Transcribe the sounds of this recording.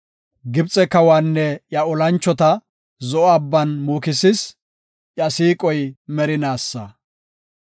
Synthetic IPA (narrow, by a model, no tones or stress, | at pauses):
ɡɪbt͡sʼɛkɐwaːnːɛjɐɔlɐnt͡ʃːɔt̪ɐ | zɔʔɔɐbːɐnmuːkɪsɪs | jɐsiːkʼɔjmɛɾɪnaːsːɐ